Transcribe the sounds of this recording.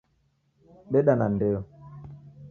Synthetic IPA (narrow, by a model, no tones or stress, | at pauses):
ɓeɗanandeɔ